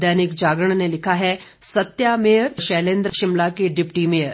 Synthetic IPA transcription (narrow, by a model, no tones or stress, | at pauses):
d̪janikd͡ʑaɡəɳnelikʰaɦesət̪jamejɾɕɛlẽnd̪ɾəɕimlakiɖipʈimeəɾ